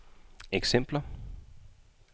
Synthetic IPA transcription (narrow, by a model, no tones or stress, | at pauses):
eɡ̥sem̰b̥lɐ